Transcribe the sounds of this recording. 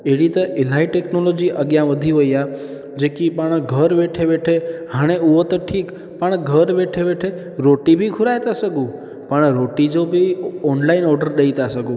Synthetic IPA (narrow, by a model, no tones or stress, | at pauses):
eɽit̪eʔelaiʈeknolod͡ʒiʔəɡjãʋəd̪ʱiɦojja | d͡ʒekipəɳɡʱəɾʋeʈʰeʋeʈʰeɦaɽ̃euʋət̪oʈʰik | pəɳɡʱəɾʋeʈʰeʋeʈʰe | ɾoʈibʱikʰuɾajt̪asəɡũ | pəɳɾoʈid͡ʒobʱiɔnlainɔɾɖəɾɗəit̪asəɡũ